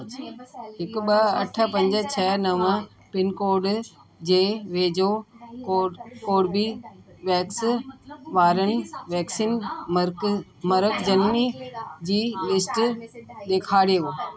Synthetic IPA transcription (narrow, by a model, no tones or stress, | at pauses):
ɦɪkɓɐɐʈʰə̆pɐ̃ɲd͡ʑə̆t͡ɕʰɐnɐʋə̃ | pɪnkoːɾɖ | d͡ʑeːʋeːd͡ʑokːkoːɖbi | ʋɛːks | ʋaːɾənɪ̆ʋɛːksiːn | mɐɾəkd͡ʑɐnmid͡ʑiːlɪsʈɗ̪eːkʰaːɽeo